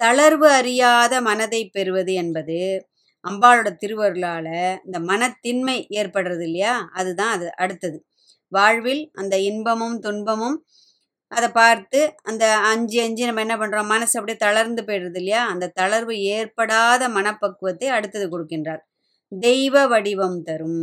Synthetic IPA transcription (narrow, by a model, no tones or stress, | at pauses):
t̪ɐɭɐɾʋɯɐɾɪjaːðɐmɐnɐðɐɪpːɛɾɯʋɐðɯɛnbɐðɯ | ʔɐmbaːlɯɽɐt̪ɪɾɯʋɐɾɯlaːlɐɪnd̪ɐmɐnɐt̪ːɪnmɐɪʔeːɾpɐɽɯɾɐðɪlːɐjaːɐðɯt̪ãːɐðɯʔɐɽɯt̪ːɐðɯ | ʋaːɻʋɪlʔɐ̰nd̪ɐɪnbɐmɯmt̪ʊnbɐmɯm | ʔɐðɐpaːɾt̪ɯɐnd̪ɐɐɲd͡ʒiɐɲd͡ʒinɐmːɐɛnːɐpɐɳːɾõːmɐnɐsɐpːɐɽit̪ɐɭɐɾnd̪ɯpejɾɯɾɐðɪlːɐjaːɐnd̪ɐt̪ɐɭɐɾʋɯeːɾpɐɽaːðɐmɐnɐpːɐkːɯʋɐt̪ːɐɪɐɽɯt̪ːɐðɯkɔɽɯkːɪndraːɾ | d̪ɛɪʋɐʋɐɽɪʋɐmt̪ɐɾɯm